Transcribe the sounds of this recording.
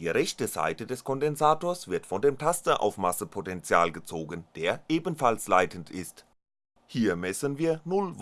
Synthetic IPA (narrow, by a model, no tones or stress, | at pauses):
diːʁɛçtəza̰ɪtədɛskʰɔndɛnzaːtoːɐsv̥ɪɐtfɔndeːmtʰastɐʔa̰ʊfmasəpʰotɛnt͡sja̰ːlɡət͡soːɡənd̥eːɐʔeːbənfalslaɪtʰən̩tʰɪ̰st | hiːɐmɛsənviːɐnʊlv